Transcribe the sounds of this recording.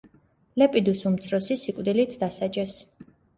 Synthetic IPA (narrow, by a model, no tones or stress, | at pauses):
lɛpʼid̪usumt̪sʰɾɔsisikʼwd̪ilit̪ʰd̪asad͡ʒɛs